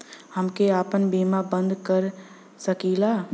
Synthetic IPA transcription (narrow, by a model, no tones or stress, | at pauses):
həmkeaːpənbiːmabə̃nd̪kəɾ | səkiːlaː